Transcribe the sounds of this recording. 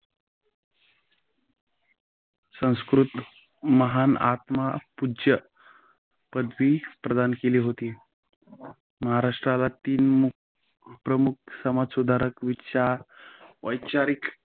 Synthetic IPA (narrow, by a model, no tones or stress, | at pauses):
sə̃w̃skɾut̪ | məɦanat̪mapud͡ʑə | pəd̪ʋiːpɾəd̪ankeliːɦot̪iː | məɦaɾaʂʈɾalat̪iːnmuk | pɾəmuk̚ʰsəmad͡zsud̪ʱaɾəkʋitːʃaɾʋəjt͡ɕaɾik